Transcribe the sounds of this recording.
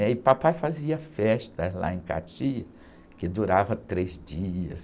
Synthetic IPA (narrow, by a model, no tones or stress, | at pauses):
ɛɪpapajfaziɐfɛst̪ɐzla̰ẽka̰t͡ʃiɐ | kɪd̪uɾavɐt̪ɾezd͡ʒiɐ̰s